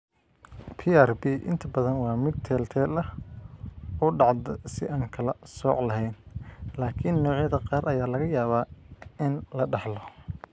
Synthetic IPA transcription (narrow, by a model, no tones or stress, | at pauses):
pʰiːarbiːʔɪ̰nt̪ʰɐbɐðɐnwɑːmɪd̪̚t̪ʰɛːlt̪ʰɛːlɐ | ɔɖɑʕd̪ɐsɪ̰ʔaːŋkʰɐlɐsɔ̰ːʕlɐɦɛjnlaːkʰɪnːɔːʕjɐðɐqɑːrʔɐjaːlɐɣɐjaːβaːɪnlɐɖɑħlɔ